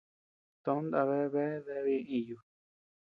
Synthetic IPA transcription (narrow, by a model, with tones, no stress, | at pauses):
t̪õ˦nd̪a˧βe˦βe˦ðe˧˦βi˧ĩ˧˨ju˨